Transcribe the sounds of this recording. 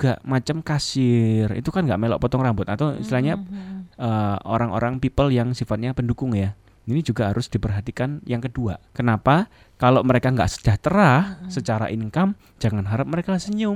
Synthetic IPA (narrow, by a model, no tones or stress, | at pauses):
ɡ̥a̰ʔmat͡ʃamkasɪrḭt̪ukanɡa̰ʔmelɔ̰ʔpɔt̪ɔŋrambʊt̪at̪aw̰st̪ilaɲaəo̰ɾaŋo̰ɾaŋpipəljaŋsifat̪̚ɲapəndukʊŋja | inid͡ʒuɡaɦaɾʊsd̥ipərɦat̪ikanjaŋkədua̰kənapa | kaloʔməɾekaŋɡa̰ʔsə̥d͡ʒ̥aht̪əɾahsət͡ʃaɾa̰ʔinəŋkam | d͡ʒ̥aŋanɦaɾʊp̚məɾekasəɲʊŋ